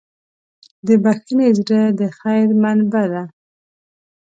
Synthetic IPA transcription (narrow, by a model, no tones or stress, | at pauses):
d̪əbaxənezɾəd̪əxajɾmanbad̪a